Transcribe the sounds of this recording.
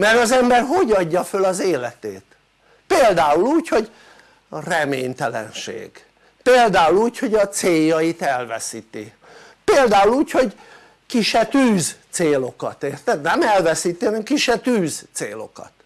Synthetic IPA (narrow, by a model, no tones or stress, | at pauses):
mɛɾɒzɛmbɛrɦo̞ɟɒɟːɒfølɒzeːlɛt̪ḛːt̪ | peːld̪aːuluːcho̞ɟ | rɛmeːɲt̪ɛlɛ̰nʃḛːɡ̥ | peːld̪aːuluːcho̞ɟɒt̪seːjːɒjit̪ɛlvɛ̰siːt̪ḭ | peːld̪aːuluːcho̞ɟ | kiʃɛt̪yːzt̪seːlo̞kɒt̪eːrt̪ɛd̪nɛmɛlvɛsiːt̪iɦɒnɛmkiʃɛt̪yːzt̪seːlo̞̰kɒ̰t̪